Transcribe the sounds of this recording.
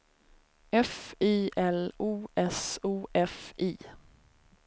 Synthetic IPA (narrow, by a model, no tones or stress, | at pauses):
ʔɛfiːʔɛluːʔɛsuːʔɛfʔiː